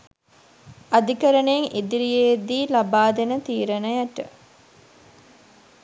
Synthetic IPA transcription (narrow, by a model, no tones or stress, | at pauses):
ɐd̪ikəɾəneŋʔid̪iɾijed̪iːlɐbaːd̪enət̪iːɾɐnɐjɐʈə̰